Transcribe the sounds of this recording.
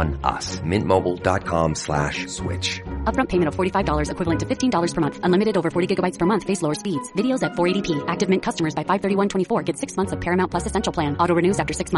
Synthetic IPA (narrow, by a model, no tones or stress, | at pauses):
nʌ̰smɪ̰̃nmoʊbl̩ˠdɑ̰t̚kʰɑ̰̃mslæ̰ʃswɪ̰t͡ʃʌpbɹʌ̃mpʰeɪmɨ̃ñtʌv̥fɔɹɾifaɪvdɔlˠə˞zɨkʰwɪvlˠə̃ntʰɨfɪftʰĩndɔlˠə˞z̥pə˞mʌ̃nθə̃nlɪ̃mɨɾɨɾoʊvə˞fɔɹɾiɡɪɡəbaɪtspʰə˞mʌ̃nθfeɪslɔʊə˞spidz̥vɪɾioʊzɨtfɔɹeɪɾipʰiʔæk̚tɨvmɪ̃nkʰʌstəmə˞zbaɪfaɪv̥θɜ˞ɾiwʌ̃ntʰwɛ̃ɾ̃ifɔɹɡɛd̥sɪksmʌ̃nθsʌv̥pʰɛɹɨmãʊ̃npʰl̥ʌsɨsɛ̃nʃl̩ˠʰl̥æ̃nɔɾoʊɹɨnʉzæftə˞sɪksmʌ̃